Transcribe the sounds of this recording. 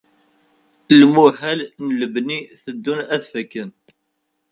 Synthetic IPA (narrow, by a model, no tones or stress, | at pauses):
lmuhælnələbniθəd̪ːunæθfəkːən